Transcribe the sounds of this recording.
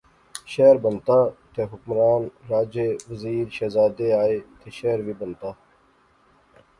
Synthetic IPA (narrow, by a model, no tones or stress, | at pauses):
ʃeːɾbɐnt̪at̪ʰeɦukmɾaːnɾaːd͡ʑeʋɐziːɾɕezaːd̪eaːet̪ʰeɕeːɾʋibɐnt̪a